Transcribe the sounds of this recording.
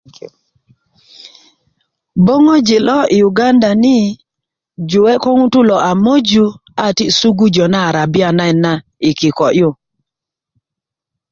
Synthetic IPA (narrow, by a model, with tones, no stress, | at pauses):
bo˦ŋo˦d͡ʒɪ˨lɔ˦ɪ˨u˨ɡa˦nda˨nɪ˦ | d͡ʒʊ˨wɛ˦kɔ˦ŋu˦tu˦lɔ˨ʔa˨mo˦d͡ʒu˦a˦˨ti˦su˦ɡu˦d͡ʒɔ˨na˦˨ɾa˨bɪ˦a˨na˦ɛ˨na˦ | ɪ˨kɪ˨kɔ˨ʔjʊ˦˨